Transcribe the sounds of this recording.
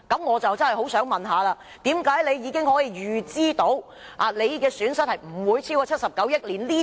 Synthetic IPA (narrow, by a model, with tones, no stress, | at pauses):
kɐ˨˥mŋɔː˨˧t͡sɐ˨wt͡sɐ˥nhjho˨˥wsœː˨˥ŋmɐ˨nɦaː˨˧laː˧ | t̪iː˨˥mkaː˨˥jle˨˧jjiː˨˧kɪ˥ŋhɔː˨˥jiː˧jyː˨˩t͡siː˥t̪o˨˥w | ʔaː˨˩le˨˧jkɛː˧syː˨˥nsɐ˥t̚hɐ˨jm̩˨˩wuː˨˧jt͡sʰi˥wkɔ˧t͡sʰɐ˥t̚sɐ˨p̚kɐ˨˥wjɐ˥t̚liː˨˩nliː˥